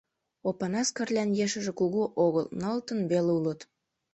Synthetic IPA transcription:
opɑnɑskərlʲænjeʃə̆ʒĕkuɣuʔoɣəlnɑlt̪ənβeleulət̪

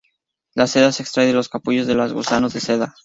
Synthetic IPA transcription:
lase̞ðase̞kst̪ɾajelo̞skapuʝo̞zðelazɣṵsanozðe̞se̞ða

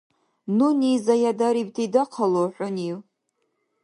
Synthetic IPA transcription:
nunizajadaɾibtʰidaqʰalowħʷʊniw

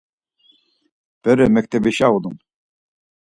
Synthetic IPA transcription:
b̥ɛɾɛmɛkt̪ʰɛbiʃaud̪um

